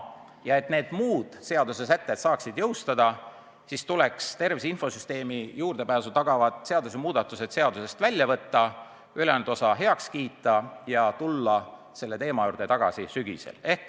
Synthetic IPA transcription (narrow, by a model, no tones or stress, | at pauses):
jɑe̞t̪ne̞ːd̪̥muːd̪̥se̞ɑd̪̥use̞s̬æt̪ːe̞d̪sɑːksid̪̥jɤwst̪ɑd̪ɑ | sist̪ulekst̪e̞rvisinfo̞syst̪e̞ːmijuːrd̪e̞pæːsut̪ɑɡ̥ɑvɑt̪ˑse̞ɑd̪usemuːd̪̥ɑt̪ːˑuse̞d̪̥se̞ɑd̪̥use̞st̪vælʲːjɑvɤt̪ˑːɑ | ylend̪̥o̞sɑɦe̞ɑkskiːt̪ˑːɑjɑt̪ulːɑ | se̞lːe̞t̪e̞ːmɑjuːrd̪̥et̪ɑɡ̥ɑ̰sisyɡ̥ḭsḛle̞hk